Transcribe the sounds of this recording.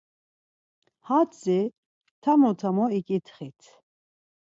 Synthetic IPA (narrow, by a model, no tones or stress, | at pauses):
hat͡sɛ | t̪ʰamɔt̪ʰamɔikʼit̪ʰχit̪ʰ